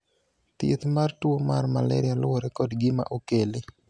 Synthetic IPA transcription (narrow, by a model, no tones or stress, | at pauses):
t̪ɪ̰t̪martuomarmalɛ̰ɾɪalʊwoɾekɔdɡɪma̰ʔokele